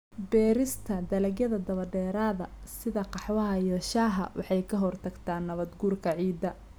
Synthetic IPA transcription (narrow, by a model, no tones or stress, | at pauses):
bɛːɾɪst̪ʰɐd̪ɐlɐɡjɐðɐd̪ɐβɐɖɛːɾaːðɐsɪðɐqɑħwɐɦɐijɔːʃaːɦɐ̰wʔɑ̰ħɑjkʰɐɦɔrt̪ʰɐɡt̪ʰaːnːɐβɐd̪ɡuːrkʰɐʕiːd̪ːɐ